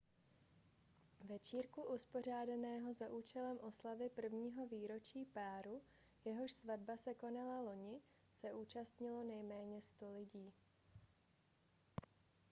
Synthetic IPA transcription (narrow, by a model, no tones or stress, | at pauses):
vɛt͡ʃiːɾkuʔuspo̞r̝aːdanɛːɦo̞zaʔuːt͡ʃɛlɛmʔo̞slavɪpr̩vɲiːɦo̞viːɾo̞t͡ʃiːpaːɾu | jɛɦo̞ʃsvadbasɛko̞nalalo̞ɲɪ | sɛʔuːt͡ʃast̪ɲɪlo̞nɛjmɛːɲɛst̪o̞lɪɟiː